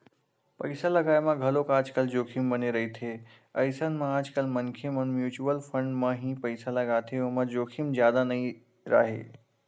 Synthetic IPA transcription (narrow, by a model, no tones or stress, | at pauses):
pɐɪsalɐɡaːjmãɡʱɐlokaːd͡ʒkəld͡ʒoːkʰimbəneɾɐɦit̪ʰe | əjsənmãaːd͡ʒkəlmənkʰemənmjuːt͡ʃuwəlfʰə̃ɳɖmãɦipəɪsalɐɡaːt̪ʰeʊmãd͡ʒoːkʰimzjaːd̪anɐĩ | ɾa̰ːɦḛː